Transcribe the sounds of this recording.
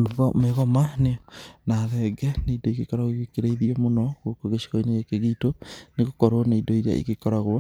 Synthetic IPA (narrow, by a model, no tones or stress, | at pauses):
meɣɔmanenaðɛɡɛneidoiɡekɔɾaɣwoiɣekeɾeiðiɔmonɔɣokoɣeʃi̥ɣoineɣekeɣitoneɣokɔɾoneidoiɾea̰ʔḭɣekɔɾaɣwa